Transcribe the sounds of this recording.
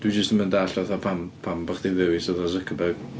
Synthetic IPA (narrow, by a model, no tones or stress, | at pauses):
d̥wid͡ʒəstəməndaɬɛθɔpʰampʰambəχd̥ɪvðɪwisɔðɔzəkʰəbɛɡ̥